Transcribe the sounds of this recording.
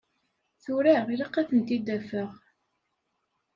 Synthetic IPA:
θuɾæʁiliqːæθənt̪id̪æfəʁ

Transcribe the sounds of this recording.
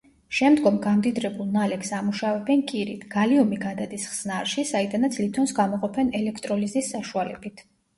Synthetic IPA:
ʃɛmd̪ɡɔmɡamd̪id̪ɾɛbulˠnalɛksamuʃavɛbɛnkʼiɾit̪ʰɡ̥aliɔmiɡad̪ad̪isχsnaɾʃisaid̪anat̪sʰlit̪ʰɔnsɡamɔqʼɔpʰɛnɛlɛkʰt̪ʼɾɔlizisːaʃualɛ̰bit̪ʰ

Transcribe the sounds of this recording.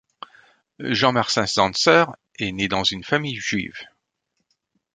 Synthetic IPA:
ʒɑ̃maʁsɛ̃sɑ̃sœʁ | ɛned̪ɑ̃zynfamijʒɥḭv

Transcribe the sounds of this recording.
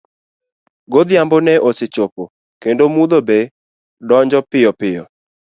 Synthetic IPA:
ɡod̪jambɔnɛʔosɪt͡ʃopo | kendomud̪obe | dɔɲd͡ʒɔpɪjɔpɪjɔ̰

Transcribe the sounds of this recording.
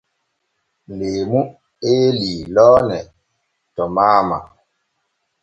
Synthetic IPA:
lemu | eliːlɔːnɛ | tɔmaːma̰

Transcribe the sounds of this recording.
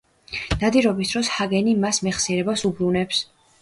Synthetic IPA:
n̥ad̪iɾɔbisd̪ɾɔshaɡɛnimasmɛχsiɛɾɛbasubɾunɛps

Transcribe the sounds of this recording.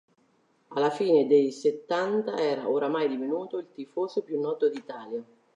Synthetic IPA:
alːafiːned̪ejset̪ːant̪aɛːɾaʔoɾamajd̪ivinuːt̪oilt̪ifoːsopjunːɔːt̪od̪iːt̪aːlja

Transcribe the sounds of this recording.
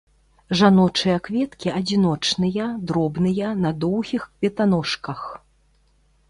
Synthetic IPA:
ʐanɔt͡ʂɨjɐkvʲɛt̪kʲiɐd͡zʲinɔt͡ʂnɨjɐd̪ɾɔbnɨjɐnɐd̪ɔwɣʲixkvʲɛt̪anɔʂkɐx

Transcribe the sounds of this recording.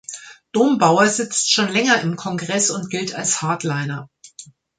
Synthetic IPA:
d̥oːmbaʊɐzɪt͡stʃoːnlɛŋɐɪmkʰɔnɡʁɛsʊntɡ̥ɪltʰa̰lshaɐtlaɪnɐ

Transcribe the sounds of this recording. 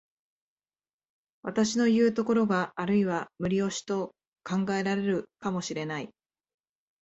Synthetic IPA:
βat̪aɕino̞jɯ̟ːt̪o̞ko̞ɾo̞ɡaːɾɯ̟iβamɯ̟ɾʲio̞ɕi̥t̪o̞ | kãŋɡae̞ɾaɾe̞ɾɯ̟kamo̞ɕiɾe̞nai

